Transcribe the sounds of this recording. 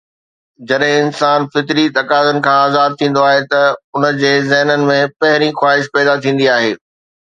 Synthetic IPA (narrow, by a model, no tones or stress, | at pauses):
d͡ʑɐɗɦɪ̃ɪnsaːnfɪt̪ɾit̪ɐkaːzənɪ̆kʰãːaːzaːb̚t̪ʰĩːn̆d̪oaːɦet̪ɐʊnə̆d͡ʑeːzɛːɦnənɪ̆mẽpɐɦɪɾixwaːɦɪʃpɛːd̪at̪ʰĩːn̆d̪iaːɦeː